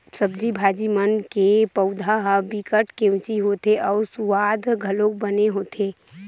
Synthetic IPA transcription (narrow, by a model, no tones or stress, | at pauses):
səbd͡ʒibʱaːd͡ʒimənkepəʊd̪ʱaɦəbikəʈkẽʊ̃t͡ʃiɦot̪eʔɔːɾsuʋaːd̪ʱɡʱəlõk̚bəneɦoːt̪ʰe